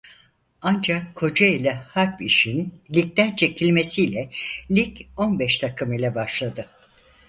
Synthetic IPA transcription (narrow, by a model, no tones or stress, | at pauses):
and͡ʒakʰːo̞d͡ʒailʲɛhaɾpiʃinlʲic̚t̪ænt͡ʃʰe̞cʰilʲme̞sijlʲɛlʲico̞nbɛʃt̪ʰakʰɯmilʲɛbaʃlˠad̪ɯ